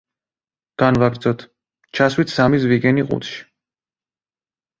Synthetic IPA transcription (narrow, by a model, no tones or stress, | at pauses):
ɡ̥anvaɡɾd̪zɔt̪ʰ | t͡ʃʰaswit̪ʰsamis̬viɡɛniqʼṵt̪ʃi̥